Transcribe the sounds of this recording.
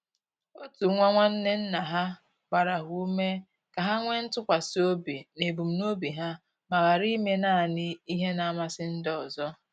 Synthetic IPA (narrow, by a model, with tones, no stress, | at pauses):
o˦tu˨ŋʷa˦ŋʷa˦n̩˦ne˦n̩˦na˨ɦa˦ | ɡ͡ba˨ɾa˨ɦu˦me˦ | ka˨ɦa˦ŋʷe˦n̩˦tʊ˦kʷa˨si˦o˦bi˨ne˨bu˨m̩˨no˦bi˨ɦa˦ | ma˨ɣa˨ɾi˦me˦na˦˨nɪ˦i˦ɦe˦na˨a˦ma˨sɪ˦n̩˦dɔ˨zɔ˦